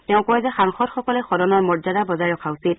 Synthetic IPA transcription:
tɛʊ̃kɔɛzɛxaŋxɔdxɔkɔlɛxɔdɔnɔɹmɔɹzadabɔzajɹɔkʰausit̚

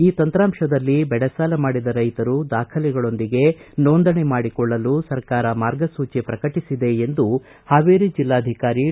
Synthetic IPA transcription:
iːt̪ɐnt̪ɾaːmʂɐd̪ɐlːibɛɽɐsaːlɐmaːɽid̪ɐɾɐjt̪ɐɾud̪aːkʰɐlɛɡɐɭo̞nd̪iɡe̞noːnd̪ɐɳemaːɽikɔɭːɐlusɐɾkaːɾɐmaːɾɡɐsuːt͡ʃepɾɐkɐʈisid̪e̞ːnd̪u | haːʋeːɾid͡ʒilːaːd̪ʱikaːɾi

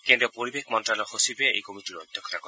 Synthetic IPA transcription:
kend̪ɾopoɾibekʰmɔnʈɾalohosibeḛjkomiʈiɾod̪ʱːokʰːot̪akɔ

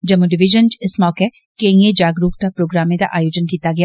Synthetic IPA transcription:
d͡ʒɐmːuɖɪʋɪʒənt͡ʃɪsmɔːke | keĩed͡ʒaːɡɾuːkt̪apɾoːɡɾaːmẽd̪a̰ʔaːjoːd͡ʒənkiːt̪aɡɪja

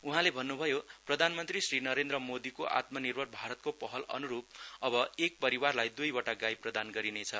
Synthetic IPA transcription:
uɦãlebʱʌnːubʱʌjoprʌd̪ʱanmʌnt̪risrinʌɾend̪ɾʌmod̪ikoʔa̰t̪mʌnirbʱʌrbʱaɾʌt̪̚kopʌɦʌlʌ̰nuɾup̚ʌbʌek̚pʌɾiwarlajd̪ujbʌʈaɡajprʌd̪anɡʌɾinet͡sʰʌ

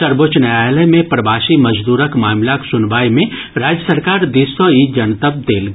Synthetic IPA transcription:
səɾbot͡ʃnəaːjlɛmẽpɾɐbaːʃimɐd͡ʒd̪uːɾəkmaːmlaksʊnbaːjmẽ | ɾaːd͡ʒjəsəɾkaːɾd̪ɪswəid͡ʒɐnt̪əb̚d̪eːlɡ

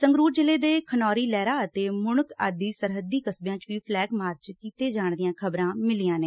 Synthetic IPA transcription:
səŋɡɾuːɾd͡ʒɪleːd̪eːkʰənɔːɾiːlɛːɾaːət̪eːmʊnʊkaːd̪iːsəɾɦəd̪iːkəsbjãːt͡ʃʋiːpʰlɛːɡmaːɾt͡ʃkiːt̪eːd͡ʒaːɳd̪ɪjãːkʰəbɾãːmɪliːjãːneː

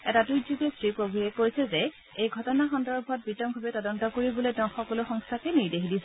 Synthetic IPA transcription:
ɛtadujzuɡɛstɹipɹoɡɹiɛkoɹisɛzɛ | ejɡʱɔtɔnaxɔndɔɹbʱɔt̚bitɔmbʱabɛtɔdɔntɔkoɹiboletɔxɔkɔlʊxɔŋstʰakɛniɹdexidisɛ

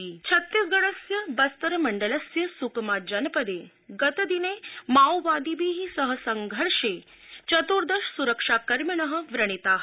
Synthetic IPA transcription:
it͡ʃʰɐt̪ːisɡɐɽɐsjɐbɐst̪ɐɾɐmɐɳɖəlɐsjɐsukmaːd͡ʒɐnɐpəd̪eː | ɡɐt̪ɐd̪ineːmaːwʋaːd̪ibiːɦisɐɦə̆sɐŋɡʱəɾʂeː | t͡ʃɐt̪oɾd̪ɐʃsuɾəkʂaːkɐɾmjɐnɐɦə̆ʋɾɐɽ̃it̪aː

